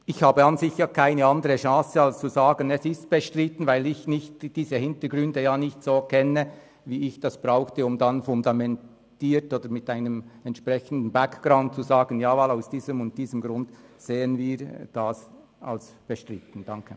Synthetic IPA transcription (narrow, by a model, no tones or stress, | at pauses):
ɪçhaːbəɑnzɪçjakʰaɪnəɑndəʁəʃɑ̃ːsəɑlst͡suzaːɡənɛsɪst̚b̥əʃtʁɪtən̩vaɪlɪçnɪçtd̥iːzəhɪntəɡʁʏndəjaːnɪçtsoːkʰɛnə | viːɪçd̥ɑsb̥ʁaʊxtəʊmdanfʊndamɛn | tiːɾtoːdəɾmɪtaɪnəmɛntʃprɛçən̩dn̩bakɡ̥raʊnt̚t͡suzaːɡənjaːvalaʊsd̥iːzəmʊnt̚d̥iːzəmɡɾʊndseːənviːɾd̥as | a̰ls | b̥əʃtʁɪtən̩d̥ɑŋkʰə